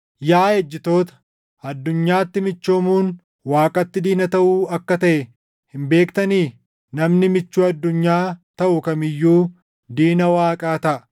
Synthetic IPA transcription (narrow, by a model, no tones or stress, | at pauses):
jaːhed͡ʒːɪt̪o̞ːt̪ɐ̥ | ɐd̪ːʊɲːaːt̪ːɪmɪt͡ʃːoːmuːn | waːkʼɐt̪ːɪd̪iːnɐt̪ɐʔuːɐkːɐt̪ɐʔɛ | hɪmbe̞ːkt̪ɐniː | nɐmnɪmɪt͡ʃːuːɐd̪ːʊɲːaːt̪ɐʔʊkɐmɪjːuː | d̪iːnɐwaːkʼaːt̪ɐʔɐ